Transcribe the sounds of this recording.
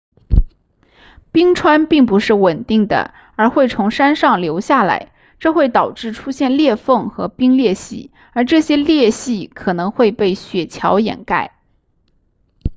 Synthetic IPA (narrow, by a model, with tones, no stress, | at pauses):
pi˥ŋʈ͡ʂʰwa˥npi˥˩ŋp̬u˧˥ʂɻ̩˥˩wə˨˩nt̪i˥˩ŋd̪ə̰˩ | ə˞˧˥xwe˥˩ɪt͡sʰʊ˧˥ŋʂa˥nʂɑ˥˩ŋljo˧˥ʊɕja˥˩la̰˧˥ɪ | ʈ͡ʂɤ˥˧xwe˥˩ɪt̪ɑ˨˩ʊʈ͡ʂɻ̩˥˩ʈ͡ʂʰu˥ɕjɛ˥˧nljɛ˥˧fɤ˥˩ŋxɤ˧˥pi˥ŋljɛ˥˧ɕḭ˥˩ | ə˞˧˥ʈ͡ʂɤ˥˩ɕjɛ˥ljɛ˥˧ɕi˥˩kʰɤ˨˩nɤ˧˥ŋxwe˥˧ɪpe˥˩ɪɕɥɛ˨˩t͡ɕʰjɑ˧˥ʊjɛ̰˨˩nka˥˩ɪ